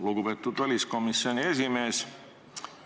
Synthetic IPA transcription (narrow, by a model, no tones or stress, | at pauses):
lukupet̪ːud̪vælʲisko̞misːio̞nʲie̞sime̞ːs